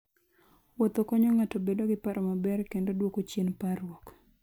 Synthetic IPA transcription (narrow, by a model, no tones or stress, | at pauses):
wɔt̪okɔɲɔŋatobedoɡɪpaɾʔɔmabɛrkendodwokot͡ʃenparwɔk